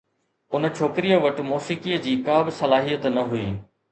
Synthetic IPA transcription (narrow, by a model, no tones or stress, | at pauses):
ʊn̆t͡ɕʰoːkɪɾijəʋɐʈ̆moːsikiəd͡ʑiːkaːbɪsɐlaːɦijət̪nɐɦuḭː